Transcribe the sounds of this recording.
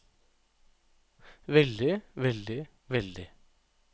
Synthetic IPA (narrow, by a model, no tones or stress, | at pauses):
ʋɛld̪ɪʋɛld̪ɪ | ʋɛld̪ɪ